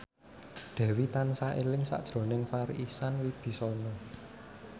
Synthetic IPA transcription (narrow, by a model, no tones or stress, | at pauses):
d̪̥ɛ̤wit̪ansaʔelɪŋsa̰ʔd̥ʒ̥ɾo̤nɪŋfaɾisanwib̥i̤sɔnɔ